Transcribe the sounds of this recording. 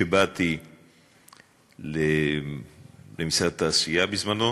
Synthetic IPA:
ebat̪i | le | lemisʁat̪aːsijabizmano

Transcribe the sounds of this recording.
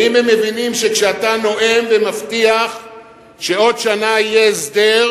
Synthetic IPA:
imhemːe̞vinimʃe̞kʃeat̪ano̞ʔe̞mvemaft̪iaχ | ʃe̞o̞dʃanaijeːsd̪e̞

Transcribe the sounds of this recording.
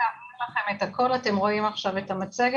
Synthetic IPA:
aminlaχe̞me̞tako̞late̞mʁo̞imaχʃave̞tamat͡seɡ

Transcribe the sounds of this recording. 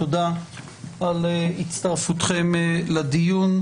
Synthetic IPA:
od̪a | alitt͡st̪aʁfut̪χe̞mled̪ijun

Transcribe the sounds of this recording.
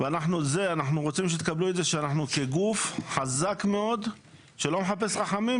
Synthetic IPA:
veanaħnuze̞anaħnuʁot͡simʃet̪ekablued̪ze̞ʃeanaħnuke̞ɡufħazakme̞o̞d̪ | ʃe̞lo̞meħape̞sʁaħamim

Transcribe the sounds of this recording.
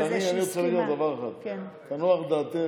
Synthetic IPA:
anianiot͡sχilaɡiald̪avaʁeχad̪̥kt̪anuaχd̪aːt̪e

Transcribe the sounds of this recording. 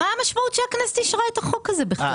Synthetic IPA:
aːmaʃmaut̪ʃeaknast̪iʃʁaet̪aχokhazɛbɪχa

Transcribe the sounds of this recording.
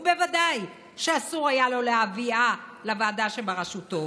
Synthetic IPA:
ube̞vadaj | ʃeasuʁajalo̞leavialavaːdaʃebaʁaʃuto̞

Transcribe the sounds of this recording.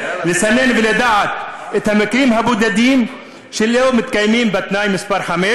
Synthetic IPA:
lɪsɐnːenvɪled̪aʕat̪̚ɪt̪hamɪkɾiːmɦabuːd̪ɐd̪iːm | ʃɪlːeːwmʊt̪̚kajmiːmbɐt̪naːjmɪspaɾħameː

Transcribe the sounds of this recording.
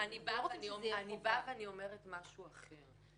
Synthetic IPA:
anibavnianibaveaniomeʁetmaʃuaχe̞ʁ

